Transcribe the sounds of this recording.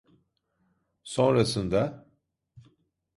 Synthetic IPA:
so̞nɾasɯnd̪a

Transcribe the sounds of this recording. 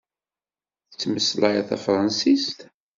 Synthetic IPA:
θət͡sːməslæjæθæ̰fɾˤɑnsist̪

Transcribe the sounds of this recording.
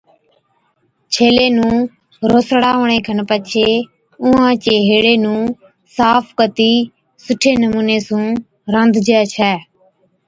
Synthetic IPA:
t͡ʃʰeːleːnũː | ɾoːsɽaːʋɳeːkʰənpət͡ʃʰeː | ʊ̃ɦãːt͡ʃeːɦeːɽeːnũː | saːpʰkət̪iː | sʊʈʰeːnəmuːneːsũː | ɾə̃nd̪ʱd͡ʒɛːt͡ʃʰɛː

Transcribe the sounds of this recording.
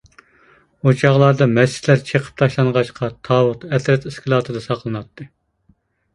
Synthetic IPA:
ot͡ʃʰɑʁlˠɑɾd̪ɑmɛt͡ʃɪ̥t̪læɾt͡ʃʰeqʰə̥p̚t̪ʰɑʃlˠɑnʁɑʃqʰɑt̪ʰɑːwʊt̪ɛt̪ɾɛt̪eskʰʲilˠɑt̪ʰɨd̪ɑsɑqlˠɨnɑt̪ʰːɨ

